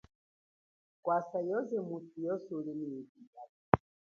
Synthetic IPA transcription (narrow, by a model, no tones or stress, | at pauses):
kwasajɔzɛmutujɔsulinidiɡa